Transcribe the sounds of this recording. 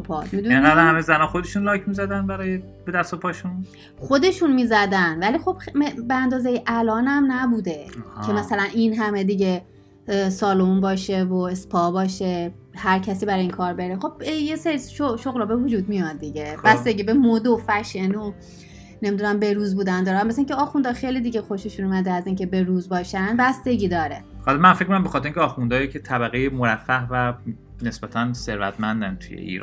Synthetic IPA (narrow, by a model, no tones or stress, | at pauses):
pʰɒ̰t̪mid̪ueŋɡæd̪æhæmezænɒːxod̪eʃunlɒːcʰmizæd̪ænbæɾɒːje | b̥ed̪æst̪opʰɒːʃun | χod̪e̞ʃunmiːzæd̪ænvæliːxo̞b̥mebeænd̪ɒːzejeʔælɒːnæmnæbuːd̪e̞kʰe̞mæsælæninɦæme̞d̪iɟe | sɒːlombɒːʃevoespʰɒbɒːʃe | hæɾcʰæsiːbæɾɒiːnkʰɒːɾbeɾeχo̞bjeseɾiʃoʃoɣlɔːbevud͡ʒuːd̪mijɒt̪d̪̚d̪iɟebæsd̪eɡiːbemod̪ofæʃeno | nemid̪unæmbe̞ɾuːzbuːd̪ænd̪ɒːɾænmæsæĩŋcʰeɒːxund̪ɒːxejliːd̪iːɡexoʃeʃunumæd̪eæziːŋce̞be̞ɾuːzbɒːʃænd̪bæsd̪e̞ɟiːd̪ɒːɾehɒlmænfek̚ʰonæmbexɒt̪ʰeɾiŋcʰʲɛɒːxund̪ɒːjicʰet̪ʰæbæɣejemoɾæfːæhvæ | ne̞sb̥æt̪ʰænseɾvæt̪ʰmænd̪ænt̪ʰṵjḛḭːɾ̰n